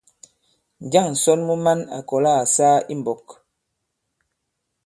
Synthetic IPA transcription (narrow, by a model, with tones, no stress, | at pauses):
n˨d͡ʒa˦˨ŋ̩˨sɔ˦nmu˦ma˦na̰˨kɔ˨la˦a˨saː˦i˦m˨bɔ˨k